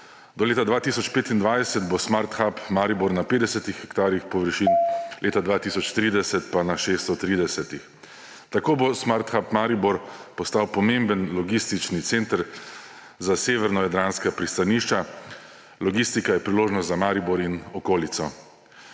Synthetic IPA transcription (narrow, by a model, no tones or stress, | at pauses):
d̪ɔleːt̪ad̪ʋaːt̪isɔt͡ʃpeːt̪ind̪ʋajɛsɛt̪bosmaɾt̪xapmaːɾiboɾnapeːd̪ɛsɛt̪ixɛkt̪aːɾjixpɔʋəɾʃinlʔeːt̪ad̪ʋaːt̪isɔt͡ʃt̪ɾiːd̪ɛsɛt̪panaʃest̪ɔt̪ɾiːd̪ɛsɛt̪ix | t̪akoːbosmaɾt̪xapmaɾiboɾpɔst̪awpɔmẽmbənlɔɡist̪it͡ʃnit̪seːnt̪əɾ | zaseːʋɛɾnɔjad̪ɾanskapɾist̪aniʃt͡ʃa | lɔɡist̪ikajɛpɾiloːʒnɔst̪zamaːɾiboɾinɔkoːlit̪sɔ